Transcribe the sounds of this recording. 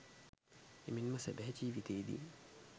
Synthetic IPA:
eminməsɛ̰bɛɦet͡ʃiːʋit̪eːd̪ḭ

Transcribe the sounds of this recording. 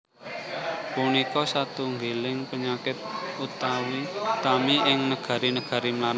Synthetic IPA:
punikɔsat̪uŋɡelɪŋpəɲakɪt̪̚ut̪awit̪amiʔɪŋnəɡ̥a̤ɾinəɡ̥a̤ɾimlaɾ

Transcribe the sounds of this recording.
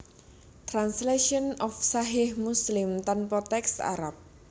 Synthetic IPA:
t̪ɾansleʃɔnɔfsaɦɪhmuslɪmt̪anpɔt̪ɛksa̰ɾap̚

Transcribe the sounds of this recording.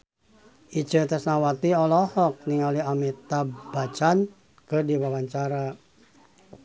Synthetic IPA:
it͡ʃət̪asnawat̪iɔlɔhɔk̚niŋaliamit̪abat͡ʃan | kədiwawaɲt͡ʃaɾa

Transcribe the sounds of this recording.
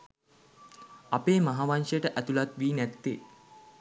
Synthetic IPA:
apeːmaɦaʋanʂəjəʈəʔæt̪ulat̪ʋiːnæt̪ːe

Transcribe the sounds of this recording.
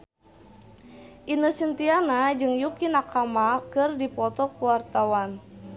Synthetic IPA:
ʔinəsint̪ianad͡ʒɨŋjukinakamakɨrdipɔt̪ɔkuwart̪awan

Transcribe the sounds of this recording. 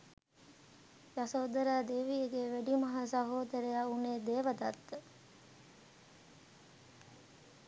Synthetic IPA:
jasoːd̪əɾaːd̪eːʋijəɡeːʋæɖimɐɦasɐɦoːd̪əɾəjauneːd̪eːʋəd̪at̪ːə

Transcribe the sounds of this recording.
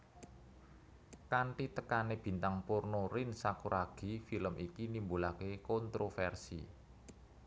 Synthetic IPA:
kaɳʈit̪əkaneb̥i̤nt̪aŋpurnorɪnsakuɾʔaɡ̥i̤filəmʔikinimbulakekɔnt̪ɾofɛrsḭ

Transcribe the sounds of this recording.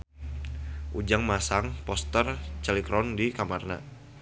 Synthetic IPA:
ʔud͡ʒaŋmasaŋpɔst̪ərt͡ʃəlikɾɔndikamarna̰

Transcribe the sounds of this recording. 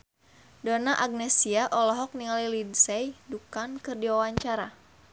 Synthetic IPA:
dɔnaʔaɡ̚nɛsiaʔɔlɔɦɔk̚niŋalilidsɛjdukankɨrdiwawaɲt͡ʃaɾa

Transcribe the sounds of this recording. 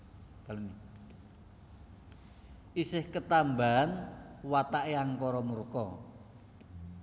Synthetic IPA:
b̥alni | isɪhkət̪ambanwat̪aʔjaŋkɔɾɔmurkɔ

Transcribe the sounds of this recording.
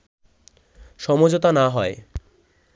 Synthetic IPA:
ʃɔmod͡ʑot̪anaɦɔe

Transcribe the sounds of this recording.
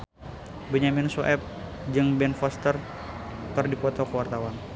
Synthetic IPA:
bəɲamɪnsoʔɛp̚ | d͡ʒɨŋbɛnfɔst̪ər | k̪ɨrdipɔt̪okəwart̪awan

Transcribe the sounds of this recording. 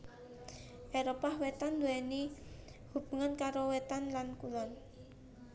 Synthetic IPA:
ʔeɾopahwet̪and̪uɛnihub̥ṳŋankaɾowet̪anlankulɔn

